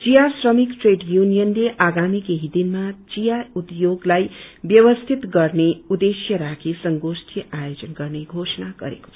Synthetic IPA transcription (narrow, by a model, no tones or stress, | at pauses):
t͡sijasrʌmikʈreɖjunijʌnleʔaɡamikeɦid̪inmat͡sijaud̪joɡlajbjʌβʌst̪ʰit̪ɡʌrneud̪esjʌɾakʰisʌŋɡosʈʰjʌʔajod͡zʌnɡʌrneɡʱosʌnaɡʌ̰ɾḛko̥ʌ̥